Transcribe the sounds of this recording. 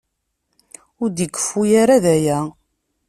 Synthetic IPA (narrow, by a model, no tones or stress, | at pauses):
ʊɾd̪əkːə̥fujaɾaðæjæ